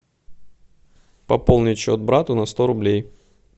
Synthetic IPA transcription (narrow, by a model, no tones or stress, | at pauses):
pɐpolˠnʲɪt͡ɕʊɐt̪̚bɾat̪ʊnɐst̪oɾʊblʲej